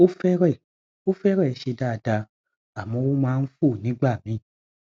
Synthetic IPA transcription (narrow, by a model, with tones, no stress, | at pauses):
o˦fɛ˦ɾɛ˦˨ | o˦fɛ˦ɾɛ˦˨ʃe˧da˦˨˧da˧ | a˨mɔ̃˨˦wo˦mãː˦n̩˦fu˦˨nĩ˨˦ɡ͡ba˦˨mĩ˨˦